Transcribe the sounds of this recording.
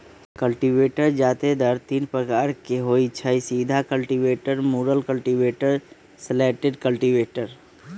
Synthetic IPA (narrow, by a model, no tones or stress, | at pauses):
kəlʈiʋeːʈəɾd͡ʒaːt̪ed̪əɾt̪iːnpɾəkaːɾkeɦoːit͡ʃʰəisiːd̪ʱakəlʈiʋeːʈəɾmuːɾəlkəlʈiʋeːʈəɾ | səleːʈeɖkəlʈiʋeːʈəɾ